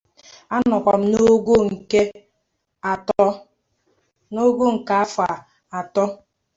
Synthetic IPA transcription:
a˦nɔ˨kʷɔ˨m̩˦no˦ɡo˦ŋ̩˨ke˦ | a˨tɔ˦ | no˦ɡo˦ŋ̩˨ka˨a˦fa˨ | a˨tɔ˦

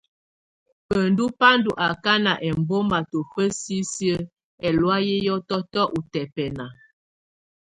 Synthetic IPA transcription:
pə˨ndu˦pa˦ndu˨ʔa˨ka˦na˨ʔɛ˨m˨bo˦ma˨to˨fə˦si˦si˦ə˦ | ɛ˨lwa˦jɛ˦jɔ˦tɔ˦tɔ˦ʔu˨tɛ˨pɛ˨na˨

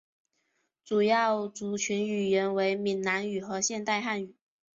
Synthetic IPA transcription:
t͡su˨˩jɑ˥˩ʊt͡su˨˩t͡ɕʰy˧˥ny˨˩jɛ˧˥nwe˧˥ɪmi˨˩nna˧˥ny˨˩xɤ˧˥ɕjɛ˥˧nt̪a˥˧ɪxa˥˩ny˨˩˦

